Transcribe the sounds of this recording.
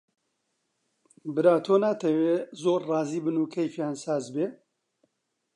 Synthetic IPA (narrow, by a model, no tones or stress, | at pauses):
bɨɾaːt̪ʰoːnaːt̪ʰɐweːzoːɾrɑːziːbɨnuːkʰɐjfjaːnsaːzbeː